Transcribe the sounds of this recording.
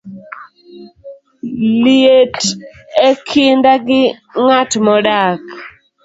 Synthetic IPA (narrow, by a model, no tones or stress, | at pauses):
lietekʰindaɡɪŋatmɔɗak